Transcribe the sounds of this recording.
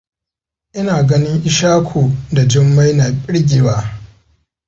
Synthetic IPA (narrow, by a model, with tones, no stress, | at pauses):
ʔɪ˦naː˨ɡɐ˦nɪ˦ŋʔɪ˦ʃaː˦kʷʰoː˨da˨d͡ʒɪ˦mːa˦jna˨ɓʲʼɪ˦ɽɡʲiː˨waː˦